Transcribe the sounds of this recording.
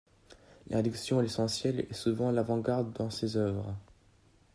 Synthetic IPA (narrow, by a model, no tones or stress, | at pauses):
lʔɛ̃d̪yksjɔ̃lesɑ̃sjɛlɛ̰suvɑ̃lavɑ̃ɡaʁd̪ːɑ̃sezœvʁ